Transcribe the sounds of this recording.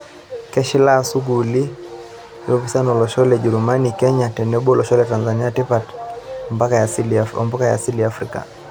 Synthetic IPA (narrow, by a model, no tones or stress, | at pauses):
kɛʃilasuɡuli | jɔpisanɔlɔʃɔlɛd͡ʒɛɾumanikɛɲatɛnɛɓɔlɔʃɔlɛtanzaniatipatmbaklɔ̰mbɔkaja̰siliafɾika̰